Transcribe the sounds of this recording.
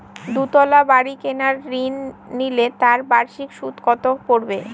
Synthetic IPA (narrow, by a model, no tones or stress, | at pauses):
d̪ut̪ɔlabaɾikenaɾːinːilet̪aɾbaɾʃikʃut̪kɔt̪okpoɾbe